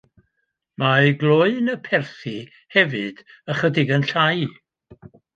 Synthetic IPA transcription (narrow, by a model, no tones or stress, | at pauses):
maɡlˠoɨnəpʰɛrθi | hɛvɨd̥ | əχədɪɡənɬaj